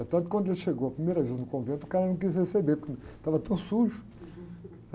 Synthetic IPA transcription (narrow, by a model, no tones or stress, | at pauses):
t̪ɐ̃nt̪̚kwɐ̃d̪elʃeɡowɐpɾimejɾɐveznʊkõvẽnt̪ukaɾɐnɐ̃w̃k̬izhesebepuɾknt̪avɐt̪ɐ̃w̃suʒu̥